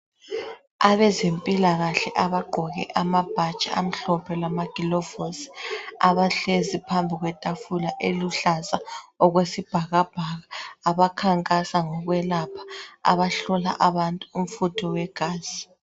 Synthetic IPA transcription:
aβɛzempʼilaɣaɬɛʔaβaɡ͡ǃʱɔɣɛ̰ʔamab̥ʱat͡ʃʼaam̩ɬɔpʰɛlamaɡ̥ʱilɔvosi̥aβaɬezipʰambʱiɣwɛtʼafulaʔeluɬasaɔɣwesib̥ʱaɣab̥ʱaɣaːβakʰaŋkʼasaŋɔɣwɛlapʰḁa̰βaɬɔla̰ʔaβantʼuːm̩futʰɔwɛɡ̥ʱaːz̥i

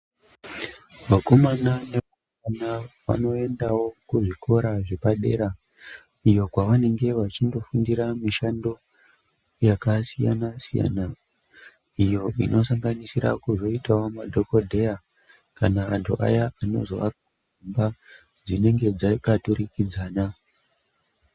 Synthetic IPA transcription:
ʋako̞mananeu | anaʋa̰no̞e̞ndawo̞kuʐikʰo̞ɾaʐe̞paɗe̞̰ːɾa | ijo̞kwaʋane̞ŋɡe̞ʋat͡ʃindo̞fundiɾamiʃando̞ | jakasija̰nasija̰na | ijo̞ʔinʔo̞saŋɡanisiɾa̰kuzo̞itawomadʱoko̞dʱe̞ja | kanaʋantʰṵʔa̰jaano̞̰zo̞̰ʋaka | umba | d͡zine̞ŋɡe̞d͡zakatuɾikid͡zaːna

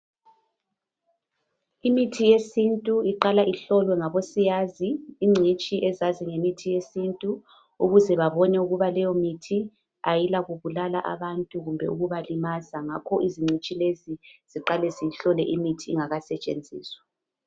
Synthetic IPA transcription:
imitʰijesintʼuiǃalaʔiɬɔlwɛŋaβosijaziːŋ͡ǀʱit͡ʃʼiʔɛzaziŋemitʰijesintʼu | uɣuzɛβaβɔnɛuɣuβalɛjɔmitʰi | ajilaɣuβulala̰ʔa̰βantʼuɣumbʱɛ̰uɣuβalimazaŋakʰɔʔiziŋ͡ǀʱit͡ʃʼileziz̥iǃalɛzijiɬɔlɛʔimitʰiːŋaɣasɛt͡ʃʼḛnd͡zʱḭːswḁ

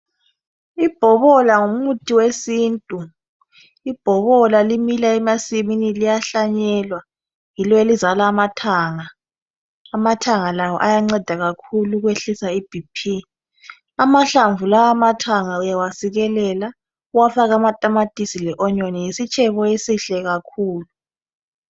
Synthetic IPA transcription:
ib̥ʱɔβɔlaŋum̩utʼiwesiːntʼu | ib̥ʱɔβɔlalimilaɛmasiminilijaɬaɲɛlwa | jilɔelizalaːmatʰaŋaː | matʰaŋalawɔʔajaŋ͡ǀɛd̥ʱaɣakʰuluɣweɬisaib̥ʱipʰi | amaɬaɱvulawamatʰaŋaujawasiɣɛlɛla | uwafaɣamatʼamatʼisilɛʔɔɲɔnijisit͡ʃʰʼɛβɔesiɬɛɣakʰuːlu

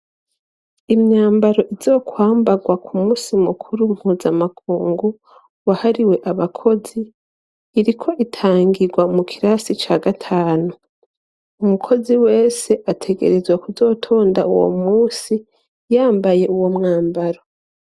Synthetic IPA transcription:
imɲaːmbaɾo̞ʔizo̞ːkwaːmbaɡwakʰumuːsimukʰuɾum̥huːzamakʰuːŋɡu | wahaɾiwe̞ʔaβakʰo̞ziː | ɾikʰo̞ʔitʰaːŋɡiɡwamukʰiɾasit͡ʃaːɡatʰaːnu | umukʰo̞ziwe̞ːse̞ʔatʰe̞ɡe̞̰ɾe̞zwakuzo̞ːtʰo̞ːndaṵwo̰muːsi | jaːmbaje̞uwo̞mŋaːmbaɾo̞

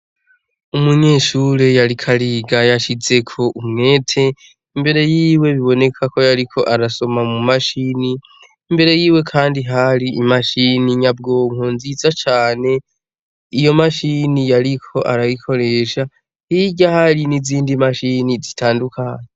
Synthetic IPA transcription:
umuɲe̞ːʃuɾejaɾikʰaɾiːɡajaʃize̞kʰo̞ʔumŋe̞ːtʰe̞ | imbe̞ɾe̞jiːwe̞βiβo̞ne̞kʰako̞jaɾikʰo̞ʔaɾaso̞mamumaʃiːni | imbe̞ɾe̞jiːwe̞kʰaːndiɦaɾiːmaʃiniɲab̚ɡo̞ŋ̥onzizat͡ʃaːne̞ | ijo̞maʃinijaɾikʰo̞ʔaɾajikʰo̞ɾe̞ːʃa | hiɟahaɾiniziːndimaʃinizitʰaːndukʰaːɲe

